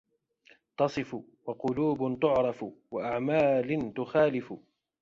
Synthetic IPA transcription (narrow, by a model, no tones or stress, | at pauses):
t̪ɑsˤɨf | wɑqʊluːbʊt̪ʊʕɾˤɑfwaʔaʕmaːlt̪ʊxaːlɪf